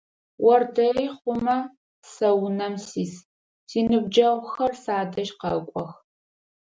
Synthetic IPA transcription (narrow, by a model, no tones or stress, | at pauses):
wɔrdɐriːχʷʊmɐ | sɐwnɐmsiːs | tʰiːnɨbd͡ʒɐʁʷʊxɐrsaːdɐʒqɐkʷʼɔx